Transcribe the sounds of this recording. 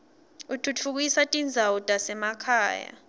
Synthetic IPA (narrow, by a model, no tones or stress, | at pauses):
utʰutʰuk̬ujisatʼind͡zʱautʼasɛmakʰaːja̰